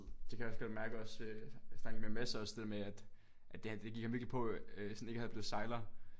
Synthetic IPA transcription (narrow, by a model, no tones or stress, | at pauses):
d̥ekʰæjɒsɡ̥ɒ̽d̥mæɐɡ̥əɒ̽søsd̥ɑɡmemæsɒ̽sd̥e̝ð̥ḛɐmeæd̥ | ʔædd̥d̥e̝ɡ̥iɡ̥hɑmʋiɐɡlipʰɒ̽øsɔ̽n̩e̝ɡ̥əhæðˠb̥le̝ð̩ˠsɑ̈ɪlɐ